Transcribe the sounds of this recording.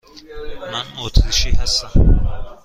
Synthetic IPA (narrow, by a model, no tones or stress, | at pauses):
manɔt̪ʰɾiʃihast̪am